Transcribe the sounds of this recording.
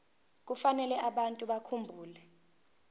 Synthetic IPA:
k̬ufanɛlɛʔaɓantʼuɓakʰumbʱuːlɛ

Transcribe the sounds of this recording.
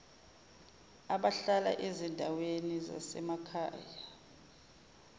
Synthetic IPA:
aɓaɬala̰ʔezindʱaweniza̰sɛmakʰa̰ːja

